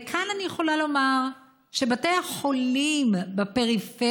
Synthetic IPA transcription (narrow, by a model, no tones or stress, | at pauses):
kʰananijeχo̞lalo̞maʁ | ʃe̞bateaχo̞limbape̞ʁife